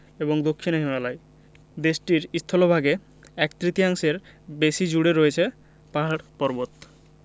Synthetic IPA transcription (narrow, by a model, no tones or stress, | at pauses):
eboŋd̪okʰːinoɦimalae | d̪eʃʈiɾist̪ʰolobʱaɡe | ɛk̚t̪ɾit̪iaŋʃeɾ | beʃid͡ʑuɽeɾoet͡ɕʰe | paɦaɽpɔɾbot̪